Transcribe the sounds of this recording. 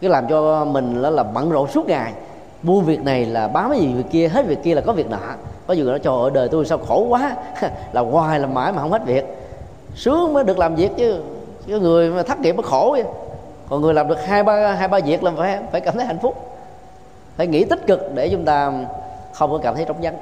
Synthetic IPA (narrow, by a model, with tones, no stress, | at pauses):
ka˨˦laː˨˩mt͡ɕɔ˧mï˨˩ŋ̟la˨˦laː˨˩mə̰˧˨nzo̰˧˨su˦˥ət̚ŋaː˨˩j | ɓu˧ənvi˨˩ək̚na˨˩jlaː˨˩ɓaː˨˩maː˨˦jzi˨˩vi˨˩kːi˧əɦe˦˥t̚vi˨˩əkːi˧laː˨˩kɔ˨˦vi˨˩ək̚nɔ̰˧˨˧kɔ˨˦znɔ˨˦t͡ɕɔ˨˩ʔəː˧˩ɗəː˨˩jt̪u˧jsaː˧wxo˧˩kwaː˨˦laː˨˩ɣwaː˨˩jlaː˨˩ma̰ː˧˥jmaː˨˩ɦə˧ŋ͡mhe˦˥t̚vi˨˩ək̚ | sɨ˨˦əŋmə˨˦ɗɨ˨˩ək̚laː˨˩mzi˨˩ək̚t͡ɕɨ˨˦ | kɔ˨˦ŋɨ˨˩əjt̪ʰaː˦˥k̚ŋi˨˩p̚mə˨˦xo˧˩˦ɨ˧ | kɔ˨˩nŋɨ˨˩əlaː˨˩mɗɨ˨˩k̚hɦaː˧jɓaː˧ɦaː˧jɓaː˧zi˨˩ək̚laː˨˩˨fmfaː˧˩jkaː˧˨mt̪ə˨˦ha˧˨jŋ̟fʊ˦˥k͡p̚ | faː˧˩jŋḭ˧˥t̪ï˦˥t̚kɨ˨˩k̚ɗe˧˩t͡ɕʊ˨˦ŋ͡mt̪aː˧xə˧wŋ͡mkɔ˨˦kaː˧˩mt̪ʰə˨˦jt͡ɕɔ˧˦wŋ͡mza˨˦ŋ